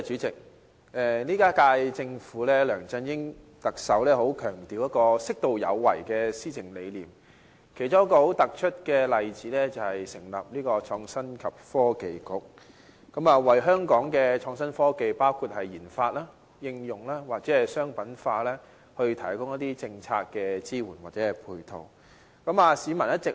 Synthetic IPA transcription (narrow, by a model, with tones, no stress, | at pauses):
t͡ʃyː˨˥t͡sɪ˨k̚ | ɛ˨˧liː˥kaː˥kaː˧jt͡sɪ˧ŋfuː˨˥lɛː˥lœː˨˩ŋt͡sɐ˧njɪ˥ŋ | t̪ɐ˨k̚sɐ˨˥wlɛː˥ɦo˨˥wkʰœː˨˩ŋt̪iː˨wjɐ˥t̚kɔː˧sɪ˥k̚t̪o˨˧wjɐ̰˨˧wːɐ̰˨˩jkɛː˧siː˥t͡sʰɪ˨˩ŋle˨˧jliː˨˩m | kʰe˨˩jt͡sʊ˥ŋjɐ˥kɔː˧ho˨˥wt̪ɐ˨k̚t͡ʃʰɵ˥t̚kɛː˧lɐ˨jt͡siː˨˥lɛ˥t͡sɐ˨whɐ˨jsɪ˨˩ŋlɐ̰˨p̚liː˥kɔː˧t͡ʃʰɔː˧ŋsɐ˥nkʰɐ˨p̚fɔː˥ke˨˧jkʊ˨˥k̚ | kːɐ˨˥maː˨wɐ˨˩jɦœː˥ŋkɔː˨˥ŋkɛː˧t͡ʃʰɔː˧ŋsɐ˥nfɔː˥ke˧jpaː˥wkʰuː˨˧t̚hɐ˨jjiː˨˩nfaː˧t̚laː˥ | jɪ˧ŋjʊ˨˩ŋlaː˥waː˨k̚t͡sɛː˨˥hɐ˨˩jsœː˥ŋpɐ˨˥nfaː˧lɛː˥ | hɵ˧ɥt̪ʰɐ˨˩jkʊ˥ŋjɐ˥t̪̚iː˥t͡sɪ˧ŋt͡sʰa̰ː˧t̚kɛː˧t͡siː˥wuː˨˩nwaː˨˩t͡sɛː˨˥ɛ˨pʰuː˧jt̪ʰo̰˨˩w | kɐ˨˥maː˨siː˨˧mɐ˨˩njɐ˥t̚t͡sɪ˨k̚